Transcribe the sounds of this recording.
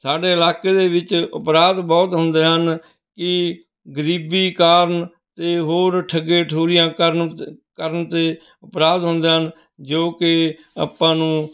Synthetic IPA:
saːɖeːɪlaːkeːd̪eːʋɪt͡ʃʊ̰pɾaːd̪bɔːt̪ɦʊnd̪eːɦən | kɪ | ɡəɾiːbiːkaːɾən | t̪eːɦoːɾʈʰəɡẽːʈʰoːɾɪjãːkəɾkəɾəɳt̪eː | əpɾaːd̪ɦʊnd̪eːɦən | d͡ʒoːkɪ | a̰ːpːãːnũː

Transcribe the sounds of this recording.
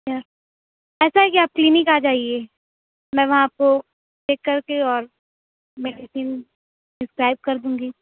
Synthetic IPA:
jaːɾ | ɛːsaɦɛkiaːp̚klinɪkaːd͡ʒaːie | mɛ̃ːʋɐɦãko | ʈeːkːɐɾkeɔːɾ | mɛːɖisiːn | sɪskɾaːɪb̚kɐɾd̪ũːŋɡiː

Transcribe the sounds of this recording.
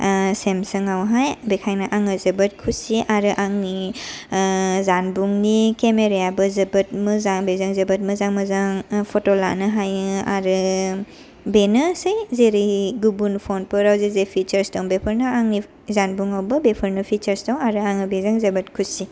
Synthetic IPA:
semsɯŋawɦajbekʰajnɯʔaŋɯzɐbɐt̚kʰusiʔaɾɯʔaŋni | zanbuŋnikemeɾejabɯzɐbɐt̚mɯzaŋbezaŋzɐbɐt̚mɯzaŋmɯzaŋpʰɔtɔlanɯɦaja̰ɾɯ | benɯsɯjzeɾijɡubunpʰɔnpɯɾawzezepʰit͡ʃəɾstawmbepʰɯɾnɯaŋni | zanbuŋawbɯbepʰəɾnɯpʰit͡ʃɐɾstawŋaɾɯaŋɯbezaŋzɐbɐtkʰusi

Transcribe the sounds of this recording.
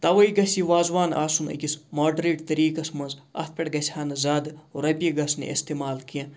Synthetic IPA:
t̪ɐʋɐiɡɐsiʋaːzʋaːna̰ːsunɐ̰kʲismaːɖɾeːʈt̪ɐɾiːkɐsmɐnzɐ̰t̪̚ʰpʲɐʈɡɐsʰʲaːnɐzaːd̪ɾɐbʲjiɡɐsnḛʔest̪eːmaːlkijãː

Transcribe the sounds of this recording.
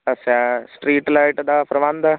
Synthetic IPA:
ɐsasʈɾiːʈlajʈd̪apɾɐʋand̪a

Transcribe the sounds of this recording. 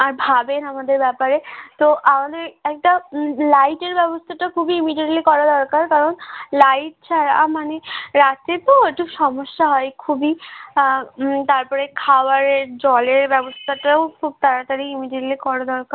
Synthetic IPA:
aɾbʱabenamad̪eɾbɛpaɾet̪oʔamad̪eɾɛk̚ʈalajʈeɾbɛbost̪ʰaʈakʰubiimiɖieʈlikɔɾad̪ɔɾkaɾkaɾonlajʈ̚t͡ɕʰaɾa̰maneɾat̪et̪okʰubʃɔmoʃːaɦɔekʰubi | t̪aɾpɔɾekʰawaɾeɾd͡ʑɔleɾbɛbost̪ʰaʈaokʰub̚t̪aɾat̪aɾiimiɖieʈlikɔɾad̪ɔɾkaɾ

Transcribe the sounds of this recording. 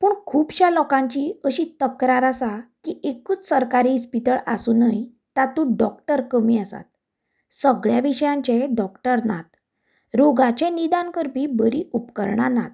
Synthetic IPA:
pəɳkʰuːbɕalɔkãɲt͡ɕiəɕit̪əkɾaɾasakiʔekuːt͡ssəɾkaɾispit̪əɭa̰sunəj | t̪at̪ũɖɔkʈəɾkəmiːəsa̰t̪̚ | səɡɭjaʋiɕəjãɲt͡ɕɛɖɔkʈəɾnat̪ | ɾoɡat͡ɕɛ̃nid̪ãnkəɾpibəɾiːupkə̰ɾɳa̰na̰t̪

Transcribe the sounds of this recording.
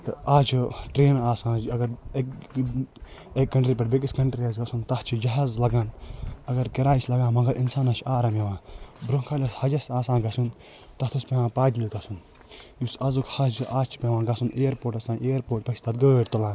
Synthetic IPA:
t̪ɐaːt͡ʃʰiʈɾeːnaːsãːd͡ʒɐɡɐɾk | ekːɐɳʈɾiːpɐʈbek̬iskɐɳʈɾiɐzɡɐsunt̪ɐht͡ʃʰid͡ʒɐɦaːzlɐɡaːnɐɡɐɾkɐɾaːit͡ʃʰlɐɡãːmɐ̃ŋɡɐɾʔinsaːnɐt͡ʃʰaːɾameʋãːbɾokʰaːlʲɐshɐd͡ʒɐsaːsãːnɡɐsun | t̪ɐt̪ʰuspẽãːpaːd̪ilit̪ɐsun | jusɐzukhɐt͡ʃʰʔaːt͡ʃʰi̥pʲẽʋãːɡɐsunʔejɾpoːɾʈɐsãːnʔeːɐɾpoːɾʈ̚pɐt͡ʃʰt̪ʰɐt̪̚ɡɐeːʈt̪ɐlãː

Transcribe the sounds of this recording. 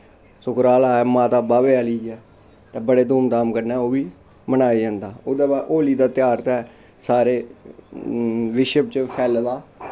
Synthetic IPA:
sʊkɾaːlaːɛmãːt̪aːbaːʋeːaːləiːɛː | t̪eːbəɽeːd̪oːmt̪aːmkəɾnɛːoːʋiː | mənaːiːd͡ʒãːnd̪aːoːd̪aːbaʔoːliːd̪aːt̪ɪjaːɾt̪ɛː | saːɾeː | ʋɪʃəp̚t͡ʃəpʰɛːld̪aː

